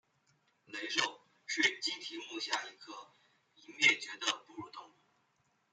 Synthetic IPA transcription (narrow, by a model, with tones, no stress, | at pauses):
le˧˥ɪʂo˥˩ʊ | ʂy˥˩t͡ɕi˥ŋt̪ʰi˧˥mu˥˧ɕja˥˩i˧˥kʰɤ˥˩ | i˨˩mjɛ˥˩t͡ɕɥɛ˧˥d̪ə˧pu˥˧ɻu˥˩t̪ʊ˥˧ŋu˥˩